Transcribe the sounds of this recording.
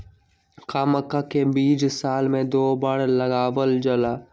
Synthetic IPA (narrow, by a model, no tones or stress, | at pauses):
kaːməkakebiːd͡ʒsaːlmẽd̪oːbəɽlɐɡaːʋəld͡ʒəlaː